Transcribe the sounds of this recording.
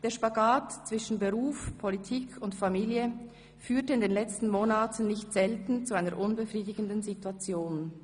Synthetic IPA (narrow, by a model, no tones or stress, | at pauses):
d̥eːɐʃpaɡaːtt͡sv̥ɪʃn̩bəʁuːfpʰolitʰiːkʰʊntfamiːljə | fyːɐtəɪndeːnlɛt͡stn̩moːnaːtʰn̩ːɪçtz̥ɛltn̩t͡suaɪnəɾʔʊnbəfʁiːdɪɡəndənzituat͡sjoːn